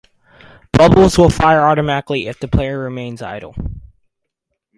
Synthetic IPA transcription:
b̥ʌbl̩ˠzwɪlˠfaɪə˞ɔɾɨmæɾəkliɪfðɨpʰl̥eɪə˞ɹɪmẽɪ̃nza̰ɪɾl̩ˠ

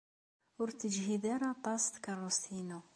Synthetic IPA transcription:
ʊɾt̪ːəd͡ʒɦiðaɾat̪ˤɑst̪kɑrˤːust̪ʰinu

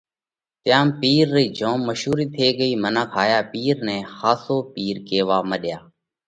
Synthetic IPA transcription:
t̪jaːmpiːɾːiːd͡ʒõːmːəʃɦuːɾiːt̪ʰeːɠəiːmənãːkʰaːjaːpiːɾnɛ̃ːxaːsoːpiːɾkeːʋaːməɗjaː

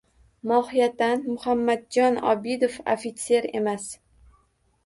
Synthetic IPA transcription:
mɒhijat̪ːanmʊhamːad̪̚d͡ʒɒnɒ̰bid̪ofo̰fit̪sʰe̞ɾe̞̰mas

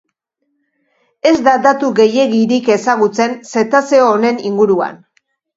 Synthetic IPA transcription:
e̞zd̪ad̪at̪uɣe̞je̞ɣiɾike̞saɣut͡se̞nse̞t̪ase̞oːne̞niŋɡuɾua̰n

